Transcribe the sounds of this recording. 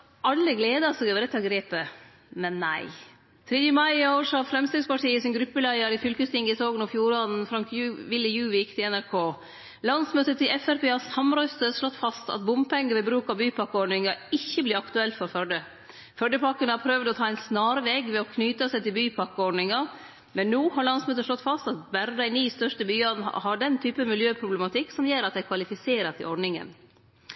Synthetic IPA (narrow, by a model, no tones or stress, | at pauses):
ʔɑlːəɡleːd̪ɑsɔɡʋɛːɾət̪ʰɑːɡɾeːpə | mɛnːæ̰ɪ | t̪ʰɾeːd̪jəmɑɪɑːəʂɑfɾɛmst̪ɛːɡspɑʈʰiːəsɪnɡɾʉpːəlæɪəɾɪfʏlkəst̪ɪŋɡəɪsʰoːɡənɔfjuːɾɑd̪n̩fɾɑŋkjʋɪlːəjʉːʋɪjɪkt̪ʰɪlɛnæɾkʰoː | lɑnsmøːt̪ət̪ʰɪlʔɛfæɾpeːɑsɑmɾœʏst̪əʂɭɔt̪ːfɑst̪ɑ̰t̪̚bʊmpʰɛŋːəʋɛbɾʉːkɑbyːpʰɑkːəɔɖɳɪŋɑɪçːəblɪɾɑkt̪ʉɛlt̪fɔɾfœɖə | fœɖəpɑkːənəhɑɾpʰɾøʋd̪ɔt̪ʰɑːɛɪnsnɑːɾəʋɛɡʋɛɔkʰnyːt̪əsɛɪt̪ɪlbyːpʰɑkːəɔɖnɪŋɑ | mɛnːuːɦɑɾɭɑnsmøːt̪əʂɭlɔt̪ːfɑst̪ɑt̪bæɾd̪ɑɪniːst̪œʂʈəbyːɑn̰hɑɖɛnt̪ʰyːpəmɪljøːpʰɾʊblɛmɑt̪ʰɪkːsɔmjeːɾɑt̪d̪æɪkʰʋɑlɪfɪseːɾət̪ʰɪ̰ɔɖnɪŋə̰n